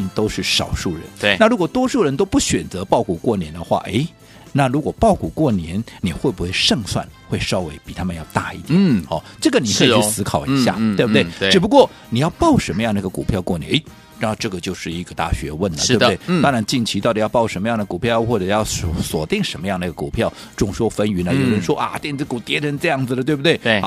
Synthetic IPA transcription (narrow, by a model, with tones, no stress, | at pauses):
nt̪o˥ʊʂɻ̩˥˩ʂɑ̰˨˩ʊʂu˥˩ɻə̰˧˥˦n˧˩na˥˩ɻu˧˥kwɔ˨˩t̪wɔ˥ʂu˥˩ɻə˧˥nt̪o˥ʊpu˥˩ɕɥɛ˨˩nt͡sɤ˧˥pɑ˥˩ʊku˨˩kwɔ˥˩njɛ˧˥nd̪ə˧xwa̰˥˩ʔḛ˧˥ɪ | na˥˩ɻu˧˥kwɔ˨˩pɑ˥˩ʊku˨˩kwɔ˥˩njɛ˧˥nni˨˩xwe˥˩ɪbu˧˥xwe˥˧ɪʂɤ˥˧ŋswa̰˥˩nxwe˥˩ɪʂɑ˥ʊwe˧˥ɪpi˨˩t̪ʰa˥mə˨njɑ˥˧ʊt̪a̰˥˧ḭ˥˩t̪jɛ˨˦ɑ˥˩ʈ͡ʂɤ˥˩ɡə˩ni˨˩kʰɤ˥i˩y˥˧˥sɹ̩˥kʰɑ˨˩ʊii˧˥ɕjja̰˥˩t̪we˥˩b̚t̪e˥ɪɻ̩˨˩pu˧˦kwɔ˥˩ | ni˨˩jɑ˥˧ʊpɑ˥˩ʊʂə˧˥nmə˧jɑ˥˩ŋd̪ə˩˧˥ɡə˧kṵ˨˩pʰjɑ˥˧ʊkwɔ˥˩njɛ̰˧˥ne˧˥˩ | ʈ͡ʂɤ˥˩ɡə˩t͡ɕjo˥˧ʊʂɻ̩˥˩i˧˥ɡə˧t̪a̰˥˩ɕɥɛ˧˥wə˥˩nə˨˩ɻw̪ɑ˥ŋɻa˧˥nt͡ɕi˥˩nt͡ɕʰi˧˥ɑ˥˩ʊd̪i˨˩ɑ˥˧ʊpɑ˥˩ʊʂə˧˥nmə˧jɑ˥˩ŋd̪ə˩ku˨˩pʰjɑ˥˧ʊxwɔ˥˩ʈ͡ʂɤ˨˩jɑ˥˩ʊ˧˥˩swɔ˨˩t̪i˥˩ŋʂə˧˥nmə˧jɑ˥˩ŋd̪ə˩˧˥ɡə˩ku˨˩pʰjɑ˥˩ʊ | ʈ͡ʂʊ˨˩ŋʂwɔ˥fə˥ny˧˥nə˧˨jo˨˩ʊɻə˧˥nʂwɔ˥ʔa̰˧t̪jɛ˥˧nt͡sɹ̩˧˩ku˨˩t̪jɛ˧˥ʈ͡ʂʰə˧˥nʈ͡ʂɤ˥˧jɑ˥˩ŋd͡zɹ̩˨d̪ə˩t̪we˥˧ɪbu˧˩t̪e˥˩ɪ˥˩˥